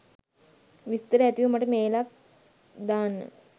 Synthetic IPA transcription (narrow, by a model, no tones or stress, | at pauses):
ʋist̪əɾəæt̪iʋumaʈəmeːlak̚ | d̪aːnːə̰